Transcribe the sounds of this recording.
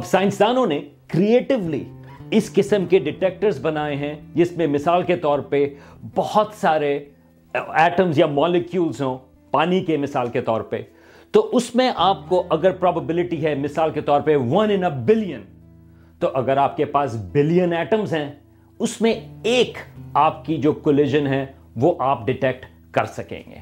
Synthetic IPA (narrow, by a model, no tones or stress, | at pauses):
ɐbsaːɪ̃nsd̪aːnõne | kɾieːʈɪʋlḭ | ɪskɪsəmkeɖɪʈeːk̚ʈəɾzbɐnaːeɦɛ̃d͡ʒɪsmẽmɪsaːlket̪ɔːɾpebɔhʊt̪saːɾe | ɛːʈə̃mzjamɔːlɪkjuːlzɦõː | paːnikemɪsaːlket̪ɔːɾpḛ | t̪oʔʊsmẽʔaːp̚koʔɐɡəɾpɾɔːbəbɪlɪʈiɦɛmɪsaːlket̪ɔːɾpeʋɐ̃nɪ̃nəbɪlijə̃n | t̪oʔɐɡəɾaːp̚kepaːsbɪlijənɛːʈəmzɦɛ̃ | ʊsmẽeːkaːp̚kid͡ʒoːkolɪʒənɦɛ̃ | ʋoʔaːpɖɪʈɛk̚ʈ | kɐɾsɐkḛ̃ːŋɡḛː